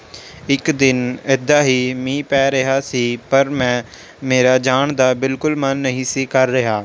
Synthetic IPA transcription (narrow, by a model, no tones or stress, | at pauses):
ɪkd̪ɪnɪd̪aːɦiːmĩːpɛːɾəɦaːsiːpəɾmɛ̃ː | meːɾaːd͡ʒaːɳd̪aːbɪlkʊlmənːəɦĩːsiːkəɾːəɦaː